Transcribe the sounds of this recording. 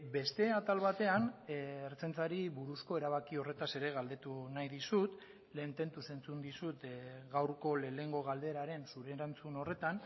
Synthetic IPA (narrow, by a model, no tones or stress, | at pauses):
be̞st̪e̞at̪alβat̪e̞aneɾt͡se̞nt͡saɾiβuɾusko̞e̞ɾaβ̞akio̞re̞t̪ase̞ɾe̞ɣald̪e̞t̪unajðisut̪ | le̞ːnt̪e̞nt̪use̞nt͡sund̪isut̪ɣawɾko̞le̞le̞ŋɡo̞ɣ̞ald̪e̞ɾaɾe̞nsuɾe̞ɾant͡suno̞re̞t̪an